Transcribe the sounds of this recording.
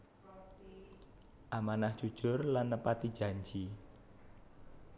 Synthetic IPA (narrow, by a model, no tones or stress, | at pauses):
ʔamanahdʒ̥ud̥ʒ̥ʊ̤rlanːəpat̪id̥ʒ̥a̤ɲd͡ʒi